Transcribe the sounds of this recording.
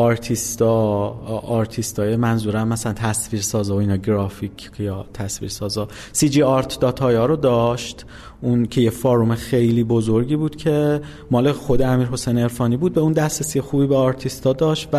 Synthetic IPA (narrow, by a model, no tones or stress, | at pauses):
ɒɾt̪ʰist̪ɒː | ɾt̪ʰist̪ɒːjemænzuːɾæmmæsælænt̪ʰæsviːɾsɒːzɒoiːnɒːɡɾɒːficʰjɒːt̪ʰæsvḭɾsɒːzɒ | sid͡ʒiːɒɾt̪ʰd̪ɒːt̪ʰɒːjɒːɾod̪ɒʃt̪ | ʔuncʰe̞jefɒːɾumexe̞jliːbo̞zoɾɟiːbuːd̪̥cʰe̞ | mɒːlexo̞d̪eæmiːɾɦo̞sejneɾfɒːniːbuːd̪̚beund̪æsɾesijexuːbiːbeɒːɾt̪ʰist̪ɒːd̪ɒːʃt̪væ